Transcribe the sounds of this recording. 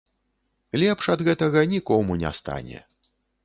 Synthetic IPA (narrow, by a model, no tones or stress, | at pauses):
lʲɛpʂɐd̪ɣɛt̪ɐɣɐnʲikɔmunʲɛ̰st̪a̰nʲɛ̰